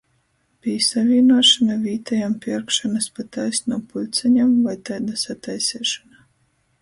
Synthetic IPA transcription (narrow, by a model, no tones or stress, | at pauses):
b̥ʲijsavʲiːnuɔʃamʲavʲiːt̪ʰajampʲiɾkʃanaspat̪ajsnɔːpulʲt̪sʲɛɲamvajt̪ajd̪asat̪ajsʲɛːʃɔna